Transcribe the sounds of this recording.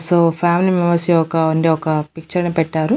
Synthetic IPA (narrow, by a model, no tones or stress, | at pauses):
soːpʰaːmilimɛmɐɾsiɔkɐuɳɖeːɔkɐpik̚t͡ʃɐɾnipɛʈːaːɾu